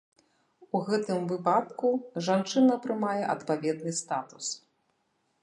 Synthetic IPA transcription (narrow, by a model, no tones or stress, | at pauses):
uɣɛt̪ɨmvɨpat̪kuʐant͡ʂɨnɐp̪ɾɨmajɛʔɐt̪pavʲɛd̪nɨst̪at̪u̥s